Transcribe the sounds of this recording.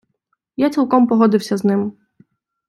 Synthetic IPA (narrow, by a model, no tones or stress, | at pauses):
jat͡sʲilˠkɔmpɔɦɔd̪ɪwsʲɐznɪm